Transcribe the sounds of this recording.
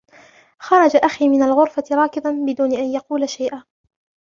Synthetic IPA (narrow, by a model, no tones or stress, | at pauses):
xɑɾˤɑd͡ʒaʔaxiːmɪnalɣʊɾfat̪ɪɾˤɑːkɪd̪ˤɑnbɪd̪uːnɪʔanjɑquːlaʃajʔaː